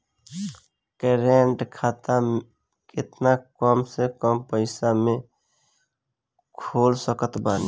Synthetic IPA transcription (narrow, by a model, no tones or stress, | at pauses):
keɾeɳʈkʰaːt̪a | kɪt̪nakəmsekəmpəɪsamẽ | kʰoːlsəkət̪baːni